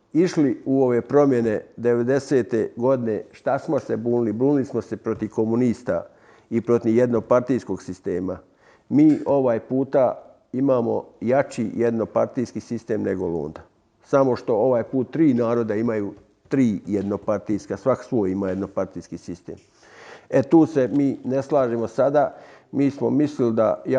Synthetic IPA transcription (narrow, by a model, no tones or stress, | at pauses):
iʃliuo̞ʋe̞pɾo̞mje̞ne̞d̪e̞ʋe̞d̪e̞se̞ːt̪eɡo̞d̪ine̞ʃt̪asmose̞buːnilibɾuːnilismo̞se̞pɾot̪iʋko̞muniːst̪a̰ | ipɾo̞t̪iʋjed̪no̞paɾt̪ijsko̞ɡsist̪e̞ːma | miːo̞ʋaːjpuːt̪a | imaːmo̞̰jat͡ʃḭjed̪no̞paɾt̪iːskiːsist̪eːmneɡolo̰ːnd̪a | samo̞ʃt̪o̞o̞ʋaːjpuːt̪ːɾiːnaːɾo̞d̪aimajuː | t̪ɾiːjed̪no̞paɾt̪ijskasʋaksʋoːjimaːje̞d̪no̞paɾt̪ijskisist̪ḛːm | et̪uːse̞miːne̞slˠaːʒemo̞sad̪aːmiːsmo̞mislild̪aja